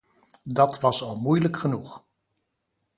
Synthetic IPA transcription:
dɑtʋɑsɑlˠmujləkχənuχ

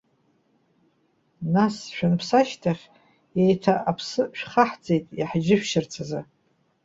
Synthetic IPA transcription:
nasʃᶣanpʰsaʃtʰaχʲ | ejtʰaʔapʰsɨʃᶣχaħd͡zʼe̞jtʼiħd͡ʒɪʃʷᶣʃɪrt͡sʰaza

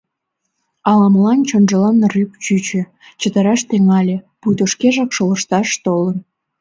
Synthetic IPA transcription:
ɑlɑmlɑnt͡ɕonʒə̆lɑnːrypt͡ɕyt͡ɕĕ | t͡ɕət̪ə̆ɾɑʃt̪eŋɑlʲĕ | pujt̪oʃkeʒɑkʃoləʃt̪ɑʃt̪olən

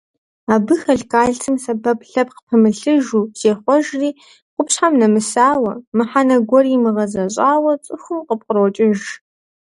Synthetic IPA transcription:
aːbɨxɐɮkʰaːɮtʰɨmsɐbɐpɬɐp̚qpʰɨmɨɬɨʒuːz̥eːχʷɔʒriː | qʷʊpɕħamnɐmɨsaːwɐmɨħanɐɡʷɔriːmɨʁɐzɐɕʼaːwɐt͡sʼɨxʷʊmqəp̚qəroɔt͡ʃʼɪʒ

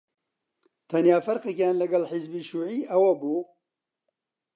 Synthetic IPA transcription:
t̪ʰɐnjaːfɐɾqekjaːnlɐɡɐlħɪzbiʃuːʕiːʔɐwɐbuː

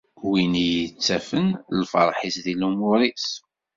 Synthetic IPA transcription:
winijət͡sːæfənlfə̰ɾˤħisðilumʊɾis

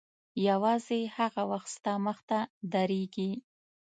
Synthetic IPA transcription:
jawɑzehaɣawaxt̪st̪aməxt̪ad̪aɾeɡi

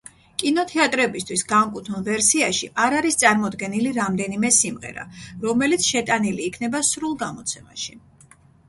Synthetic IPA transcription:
kʼinɔt̪ʰɛat̪ʼɾɛbist̪ʰwisɡaŋkʼut̪ʰunvɛɾsiaʃiʔaɾaɾist̪sʼaɾmɔd̪ɡɛniliɾamd̪ɛnimɛsimʁɛ̰ɾa̰ɾɔmɛlit̪sʰʃɛt̪ʼaniliːkʰnɛbasɾulˠɡamɔt̪sʰɛma̰ʃi

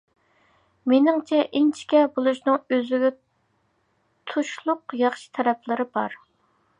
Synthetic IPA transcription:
menɪŋt͡ʃʰɛʔint͡ʃʰi̥kʲɛbolˠuʃnɨŋøzɪɡʲɛ | t̪ʰuʃlˠʊqjɑχʃi̥t̪ʰɛɾɛpʰlɨɾɨbɑ̰ɾ

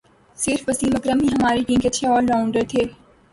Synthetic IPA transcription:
sɪɾfʋɐsiːlɐkɾəmĩːɦɐmaːɾekĩːŋkɐʃʰeɔːlɾaːʊ̃ɳɖəɾt̪ʰeː

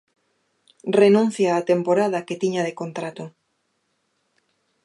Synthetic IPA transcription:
renũn̟θjaːt̪empoɾaðɐket̪iɲaðekont̪ɾat̪ʊ

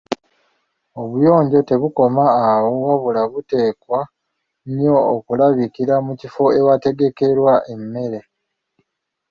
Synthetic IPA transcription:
o̞βujo̞ːɲɟo̞te̞βuko̞maːwo̞waβulaβute̞ːkwa | ɲjo̞ːkulaβikiɾamucifo̞e̞wate̞ɡe̞ke̞ɾwaʔe̞mːe̞ɾe̞

